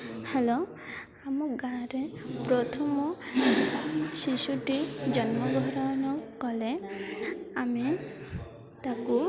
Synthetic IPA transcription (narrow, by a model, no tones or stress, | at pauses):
helo | amɔɡaɾepɾɔt̪ʰɔmɔ | ʃiʃuʈid͡ʒɔnmɔɡʱɔɾɔnɔkɔle | ami | t̪aku